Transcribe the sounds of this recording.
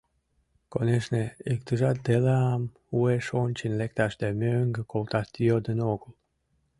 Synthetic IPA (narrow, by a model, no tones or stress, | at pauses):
koneʃneikt̪əʒɑt̪̚d̪eleɑm | ueʃonʲt͡ɕinlekt̪ɑʃd̪emøŋɡəkolt̪ɑʃt̪ijod̪ənoɣəl